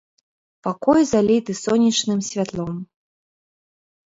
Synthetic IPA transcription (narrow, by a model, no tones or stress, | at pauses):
pakɔjzalʲit̪ɨsɔnʲit͡ʂnɨmsʲvʲat̪lˠɔm